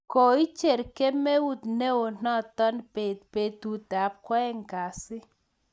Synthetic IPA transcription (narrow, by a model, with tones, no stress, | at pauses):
kɔ˨i˦t͡ʃe˨ɾke˦me˦u˦tne˦o˨n̥ɔ˦˨tɔ˦npe˨t̚pe˨tu˨ta˨˦p̚kwɔ˦ɛ˦ŋka˨sɪ˦